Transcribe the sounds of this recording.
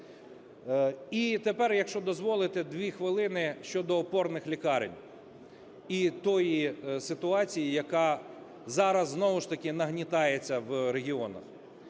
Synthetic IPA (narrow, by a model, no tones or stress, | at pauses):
it̪epɛrjɐkʃt͡ʃɔd̪ɔzʋɔlˠɪt̪ɪd̪ʋʲixʋɪlˠɪnɪʃt͡ʃɔd̪ɔːpɔrnɪxlʲikɑɾɪ̰nʲ | it̪ɔjisɪt̪ʊɑt͡sʲijijɐkɑ | zɑɾɐzːnɔʋʊʃt̪ɐkɪnɐɦnʲit̪ɑjet͡sʲːɐwɾeɦʲiɔnɐ̰x